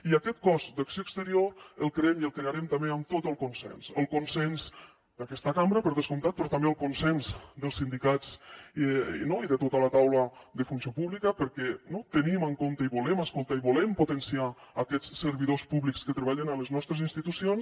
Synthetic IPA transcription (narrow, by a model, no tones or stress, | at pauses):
iakɛt̪̚kɔzd̪əksiokst̪əɾioɾəlˠkɾeɛmiəlˠkɾeaɾɛmt̪ambeəmt̪ot̪əlˠkunsɛ̰nsəlˠkunsɛnz | d̪əkɛst̪əkambɾəpəɾðəskunt̪at̪̚pɾɔt̪ambeəlˠkunsɛnzd̪əlˠsind̪ikat͡s | noiðət̪ot̪ələt̪awləðəfunsijopuβlikəpəɾkɛnot̪əniməŋkont̪əiβulɛməskolˠt̪aiβulɛmput̪ənsiaːkɛt͡ssəɾβiðospuβlikskət̪ɾeβaʎənələznɔst̪ɾəzinst̪it̪usions